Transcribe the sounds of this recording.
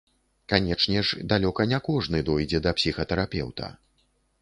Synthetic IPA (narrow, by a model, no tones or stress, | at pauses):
kanʲɛt͡ʂnʲɛʂd̪alʲɔkɐnʲɛkɔʐnɨd̪ɔjd͡zʲɛd̪ɐpsʲixɐt̪ɛɾapʲɛ̰wt̪ɐ̰